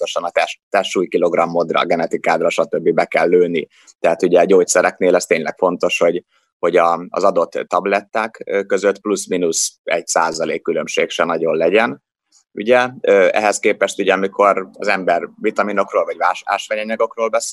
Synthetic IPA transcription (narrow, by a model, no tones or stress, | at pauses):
t̪oʃɒnɒt̪ɛʃt̪ɛʃuːjkilo̞ɡrɒmːo̞d̪rɒ̰ɡɛnɛt̪ikaːd̪rɒʃɒt̪ø̞bːibɛkɛlːøːni | t̪ɛɦat̪uɟɛɟoːct̪sɛɾɛkneːlɛst̪eːɲlɛkfo̞n̪t̪o̞ʃho̞ɟ | ho̞ɟɒ̰ːzɒd̪o̞t̪ːɒblɛt̪ːaːkkːø̞zøt̪plusminusɛcsaːzɒlḛːkːylø̞mʃeːkʃɛnɒɟo̞nlɛɟɛn | ṵɟɛøːɛ̰ɦɛskeːpɛʃt̪uɟɛɒmikʰo̞rɒzɛmbɛrvit̪ɒmino̞kroːlvɒɟvaːʃa̰ːʃʋaɲɒɲɒɡo̞kroːlbɛs